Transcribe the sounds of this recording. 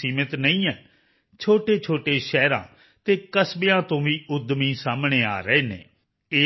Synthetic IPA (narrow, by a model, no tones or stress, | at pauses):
iːmɪt̪nəĩːɛː | t͡ʃʰoːʈeːt͡ʃʰoːʈeːʃɛːɾã̰ː | t̪eːkəsbejãːt̪õːʋiːʊd̪mĩːsaːmɳeːaːɾəeːnḛː | eː